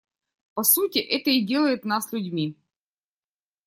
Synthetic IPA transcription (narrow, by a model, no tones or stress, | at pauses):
pɐsutʲɪʔɛt̪əɪdʲe̞lˠəjɪt̪naslʲʉdʲmʲi